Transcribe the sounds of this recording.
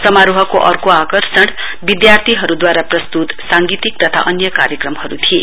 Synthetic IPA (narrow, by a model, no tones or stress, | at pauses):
sʌmaɾuɦʌkoʔʌrkoakʌrsʌɽ | bid̪jart̪ʰiɦʌɾud̪waɾaprʌst̪ut̪saŋɡit̪ik̚t̪ʌt̪ʰa̰ʔʌnjʌkaɾjʌkrʌmhʌɾut̪ʰie